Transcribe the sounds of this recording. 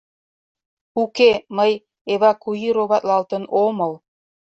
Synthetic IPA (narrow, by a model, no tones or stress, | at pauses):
ukeməj | eβɑkuiɾoβɑt̪lɑlt̪ənoməl